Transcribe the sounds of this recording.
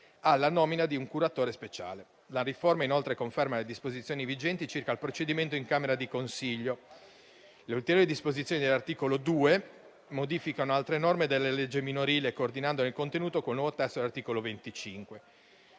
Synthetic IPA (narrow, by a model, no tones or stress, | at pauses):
alanɔːminad̪iuŋkuɾat̪oːɾespet͡ʃa̰ːle | laɾiformainolt̪ɾekoɱfɛrmaled̪ispozit̪sjoːnivid͡ʒɛnt̪it͡ʃirkalpɾot͡ʃed̪iment̪oiŋkaːmeɾad̪ikonsiʎːo | leult̪eɾjoːɾid̪ispozit̪sːjonid̪elart̪iːkolod̪uːe | mod̪ifikanoalt̪ɾenɔrmed̪elːeled͡ʒːeminoɾiːlekoːrd̪inand̪onelkont̪enuːt̪okolnwɔvot̪ɛst̪odelart̪iːkolovent̪it͡ʃiŋkwe